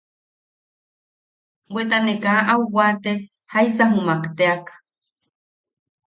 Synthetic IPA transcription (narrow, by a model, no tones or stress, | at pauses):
wʷet̪anekaʔauwat̪e | hajsaɦumakt̪eakḁ